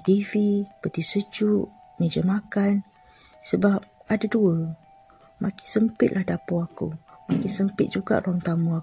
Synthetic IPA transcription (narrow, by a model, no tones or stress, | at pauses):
t̪ivipət̪isəd͡ʒuʔ | məd͡ʒəmakan | səbap̚adaduə | mʔakɪ̥nsəmpɪt̪̚lahdapuakṵmakɪnsəmpɪt̪̚d͡ʒuɡa̰ʔruaŋt̪amua